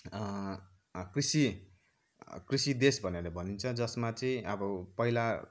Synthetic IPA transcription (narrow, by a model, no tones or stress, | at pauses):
krisi | krisid̪esbʱʌneɾʌbʱʌnint͡sʰʌd͡zʌsmat͡sʌĩʌbʌpʌɦila